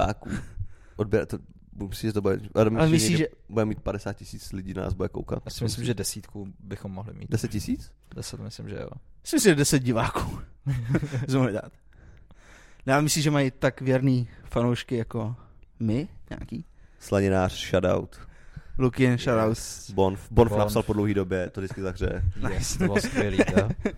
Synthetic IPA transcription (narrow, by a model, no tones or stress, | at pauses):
a̰ːkṵː | ʔod̚bjɛɾt̪o | bmɪsiʒɛt̪obudɛadomɪaɛlmiɪsiɛʒɛ | budɛmiːt̪̚padɛsaːt̪̚cɪsiːt͡slɪɟiːnna̰ːzbudɛko̰wka̰t̪̚jasɪmɪslɪmʒɛdɛsiːt̪kubɪxomːoɦlɪ̰mḭt̪dɛsɛt̪̚cɪsiːt͡s | dɛsɛt̪mɪslɪmʒɛ̰o̰ɪsɪmɪsɪmʒɛdɛsɛt̪̚ɟɪvaːkuː | sɛmoɦɪda̰ːt̪ | nɛamɪslimʒɛmajɪt̪akvjɛɾniːfanowʃkɪjakomɪɲa̰ːkiː | slaɲɪnaːr̥ʃada̰wt̪lukɪnʃadawt̪bonfbonfnassalpodlowɦiːdobjɛt̪ovdɪt͡skɪzaɦr̝ɛ̰ɛ̰nɛɛssɛli